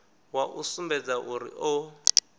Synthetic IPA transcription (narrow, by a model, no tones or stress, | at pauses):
waʔusumbɛd͡zaʔuɾḭʔʊ